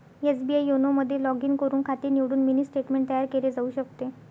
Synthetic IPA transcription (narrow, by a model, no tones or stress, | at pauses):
esbiajonoməd̪ʱːjelɔɡiːŋkəɾuːnkʰat̪iːɾniʋɽuːnminiːsʈeʈmeɳʈ̚t̪əjaɾkeled͡zauːɕək̚t̪e